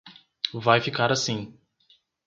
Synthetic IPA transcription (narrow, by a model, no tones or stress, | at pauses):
vajfikaɾasĩ